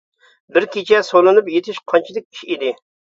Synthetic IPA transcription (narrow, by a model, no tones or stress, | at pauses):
bɪɾkʲet͡ʃʰɛsolˠɨnɨpjet̪ʰɪʃqʰɑnt͡ʃʰid̪ɪk̚ʲi̥ʃid̪ɪ